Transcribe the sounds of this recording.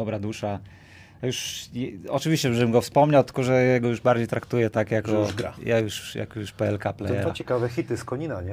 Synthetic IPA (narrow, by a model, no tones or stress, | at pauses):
d̪ɔbɾad̪uʂa | juʂjɛɔt͡ʂɨvʲiɕt͡ɕɛʐɛbɘmɡɔfspɔmɲawt̪ɘ̥kɔʐɛjaɡɔjuʐbaɾd͡ʑejt̪ɾakt̪ujɛt̪akjakɔɡɾa̰jʔajuʂja̰kjuʂpɛɛlkaplɛ̰jɛɾat͡ɕɛkavɛxʲit̪ɘskɔɲinaɲɛ